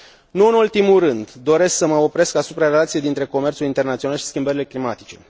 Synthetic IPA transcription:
nuɨnult̪imuɾɨnd̪d̪o̞ɾe̞sksəməo̞pɾe̞skasupɾaɾe̞lat̪sijejd̪int̪ɾe̞ko̞me̞rt̪sulint̪ernat̪sionalʃi̥skʲimbəɾile̞klimat̪it͡ʃe̞̰

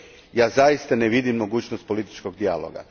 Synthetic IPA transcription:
jaːzajist̪aneʋid̪imːo̞ɡuːt͡ɕnost̪̚po̞lit̪i̥t͡ʃko̞ɡ̚d̪ialo̰ɡa̰

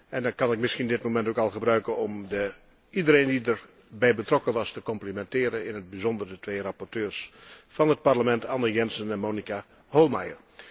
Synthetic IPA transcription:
ʔɛndɑnkɑnɪk̚mɪskindɪt̚momɛntokɑlˠɣəbrœɥkənɔmdə | idəɾeːndidər | bɛjbətrɔkəʋɑstəkɔmplimɛntɪːɾənɪnɦəd̚bəzɔndərdətʋeːrapɔrtøːrsfɑnɦət̚parləmɛntʰɑnəjɛnsənɛnmoːnika | holˠmajər

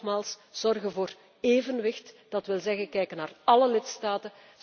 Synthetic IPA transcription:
maːlˠsz̥ɔrɣənvoːr | eːvənʋɪxtd̥ɑtʋɪlzɛɣənkɛjkənaːrɑləlɪtstaːtə

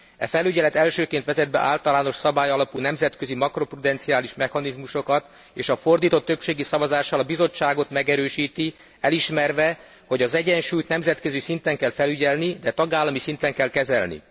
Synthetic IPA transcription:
ɛ̰fɛlyɟɛlɛt̪ɛlʃøːkeːnt̪ʋɛzɛd̪̚bɛ̰ʔa̰ːlt̪ɒlaːno̞ʃsɒbaːjɒlɒpulnɛmzɛt̪køzimɒkro̞prud̪ɛnt̪siaːliʃmɛxɒnizmuʃo̞kɒt̪ | eːʃɒfo̞rd̪iːt̪o̞t̪ːøpʃeːɡisɒvɒzaːʃːɒlɒbizo̞t͡ʃːaːɡo̞t̪mɛɡɛɾøːʃiːt̪i | ɛliʃmɛrvɛ | ho̞ɟɒzɛɟɛnʃuːjt̪nɛmzɛt̪kø̞zisint̪ɛŋkɛlfɛlyɟɛlnid̪ɛt̪ɒɡaːlːɒmisint̪ɛŋkɛlkɛzɛlnḭ

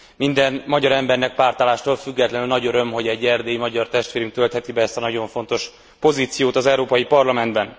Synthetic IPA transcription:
mind̪ɛnmɒɟɒɾɛmbɛrnɛk̚paːrt̪aːlaːʃt̪oːlfyɡːɛt̪lɛnylnɒɟøɾø̞mɦo̞ɟɛɟːɛrd̪eːjimɒɟɒrt̪ɛʃt̪ʋeːɾyŋk̚t̪ø̞lt̪hɛt̪ibɛɛst̪ɒnɒɟo̞ɱfo̞nt̪o̞ʃ | po̞ziːt̪sijoːt̪ɒzɛuɾoːpɒjipɒrlɒmɛnd̪bɛn

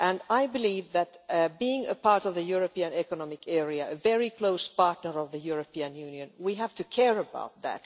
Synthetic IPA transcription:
ʔæ̃naɪbɪliːvðætbiɪ̃ŋɨ̰pʰɑɹtɔvðɨjuɹəpiɨ̃nɛkənɔmɪkɛɹiɨɨvɛɹikʰloʊspɑɹtnəɹʌvðəjuɹəpiɨ̃njʉ̃njɨ̃nwiɦæv̥tɨkʰɛɹəba̰ʊt̪̚ðæ̰t

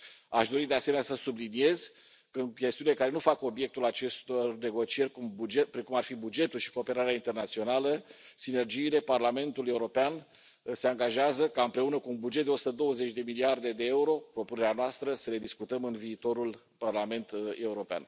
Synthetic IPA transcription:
aʃd̪o̞ɾid̪easeme̞njasəsublinije̞z | kəɨnkʲe̞st̪iunilekaɾe̞nufako̞bje̞k̚t̪ulat͡ʃe̞st̪orne̞ɡo̞t͡ʃije̞rʲkumbud͡ʒepɾekumarfibud͡ʒe̞t̪ulʃi̥ko̞ːpe̞ɾaɾeaint̪e̞rnat̪sio̞naləsine̞rd͡ʒiːle̞parlame̞nt̪ule̞uɾo̞pean | se̞aŋɡaʒeazəkaɨmpɾe̞unəkuːnbud͡ʒet̪d̪eosu̥t̪əd̪o̞wəze̞t͡ʃʲd̪e̞miliard̪e̞d̪e̞e̞uɾo̞pɾo̞pune̞ɾeanoast̪ɾəsəle̞d̪iskut̪əmɨnviːt̪o̞ɾul | parlame̞nt̪e̞uɾo̞pea̰n

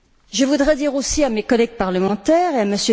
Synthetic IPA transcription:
ʒəvud̪ʁɛd̪iʁosiamekɔlɛɡ̚paʁləmɑ̃t̪ɛʁeaməsjø

